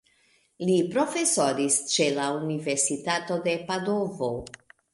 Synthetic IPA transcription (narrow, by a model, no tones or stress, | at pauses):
lipɾo̞fe̞soɾist͡ʃe̞launive̞ɾsitato̞de̞pado̞vo̞